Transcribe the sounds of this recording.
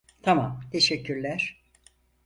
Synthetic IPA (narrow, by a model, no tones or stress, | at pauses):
t̪ʰamamt̪ʰeʃɛcːyɾlʲæɾ̥